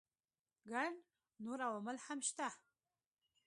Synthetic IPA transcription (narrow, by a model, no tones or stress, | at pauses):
ɡarn | nuɾawamɐlħamʃt̪a